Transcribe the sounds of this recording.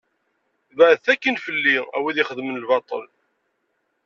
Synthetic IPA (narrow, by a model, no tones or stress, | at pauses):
vəʕðθækːənfəlːiæ̰wiðiχəðmənəlvɑt̪ˤə̰l